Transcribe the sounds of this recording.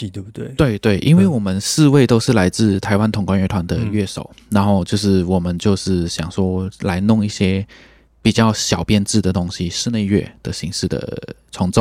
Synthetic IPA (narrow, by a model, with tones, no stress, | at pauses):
t̪we˥˧ɪt̪we˥˩ɪʔḭ˥nwe˥˩ɪwɔ˨˩mə˦nʂɻ̩˥˧we˥˩ɪt̪o˥ʊʂɻ̩˥˩la˧˥ɪt͡sɹ̩˥˩t̪ʰa˧˥ɪwa˥nt̪ʰʊ˧˥ŋkwa˥nɥɛ˥˩t̪ʰwa˧˥nd̪ə̰˧ɥɛ˥˩ʂo̰˨˩ʊna˧˥nxo˥˧ʊt͡ɕjo˥˧ʊʂɻ̩˥˩wɔ˨˩mə˦nt͡ɕjo˥˧ʊʂɻ̩˥˩ɕjɑ˨˩ŋʂwɔ˥la˧˥ɪnʊ˥˧ŋi˥˩ɕjɛ˥ | pi˨˩t͡ɕjɑ˥˩ʊɕjɑ˨˩ʊpjɛ˥˧nʈ͡ʂɻ̩˥˩d̪ə˩t̪ʊ˥ŋɕi˦ʂɻ̩˥˧ne˥˧ɪɥɛ̰˥˩d̪̥ə˩ɕi˧˥ŋʂɻ̩˥˩d̪ə̰˩t͡sʰʊ˧˥ŋt͡s